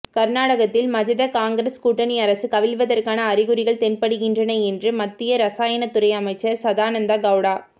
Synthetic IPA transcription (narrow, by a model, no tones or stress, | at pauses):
kɐɾnaːɽɐɣɐt̪ːɪlmɐd͡ʒɐðɐkaːŋɡɾɐskuːʈːɐniɐɾɐsɯkɐʋɪlʋɐðɐrkaːnɐːɾɪɣɯɾɪɣɐɭt̪ɛnpɐɽɯɣɪndrɐnɐɛndrɯmɐt̪ːɪjɐɾɐsaːjɐnɐt̪ːʊɾɐɪɐmɐɪt͡ʃːɐɾsɐðaːnɐnd̪aɡɐʋɽaː